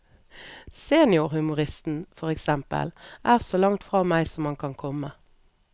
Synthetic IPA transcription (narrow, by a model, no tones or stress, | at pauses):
seːnɪʊʁhʉmʊʁɪst̪n̩fɔʁɛksɛmpə̰lʔæːʁsoːlɑŋt̪fʁɑːmæɪsɔmhɑŋkʰɑnkʰɔmə